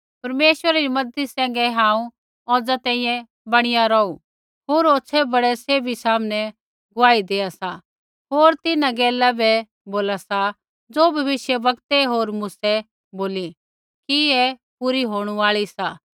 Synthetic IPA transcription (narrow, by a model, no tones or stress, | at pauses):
pɐɾmeːʃʋəɾaɾimɐd̪isɛ̃ːŋ̆ɡɛɦãːũ | ɔːd͡zat̪ɛ̃ːĩːjɛ̃ | bɐɽ̃ɪjaɾɔːu | ɦoːɾoːsʰɛbɐɽɛseːbisaːmnɛ | ɡʊaːid̪eːasa | ɦoːɾt̪ɪnãɡɛːlabɛ | boːlasa | d͡zoːbʱɐʋɪʃjəʋɐkt̪ɛɦoːɾmʊsɛ | boːli | kiɛpuɾiɦoːɽ̃uaːɭisa